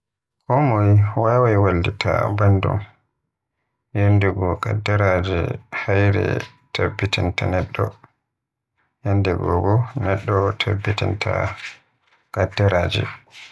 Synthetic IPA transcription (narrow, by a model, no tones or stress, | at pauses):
kɔmɔjwawajwalditʰabandṵm | jendɛɡɔkadːɛɾad͡ʒḭhajɾɛ̰ | tʰabːitʰintanɛɗːɔ | jɛndɛɡɔɡɔnɛɗːɔtʰabːitintʰa | kadːɛɾad͡ʒḭ